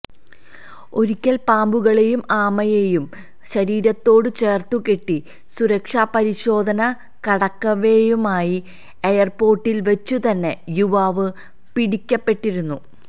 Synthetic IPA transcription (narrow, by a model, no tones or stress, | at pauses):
o̞ɾikʲːɐlpaːmbuɣɐɭejumaːmɐjejum | ɕɐɾiːɾɐt̪ːo̞ːɽɨt͡ɕe̞ːrt̪ukeʈːi | suɾɐkʂaːpɐɾiɕo̞ːd̪ʱɐnɐ | kɐɽɐkːɐʋejumaːji | ejɐrpo̞ːrʈːilʋɐt͡ɕːut̪ɐnːe̞juʋaːʋɨ | piɽikʲːɐpːe̞ʈːiɾunːu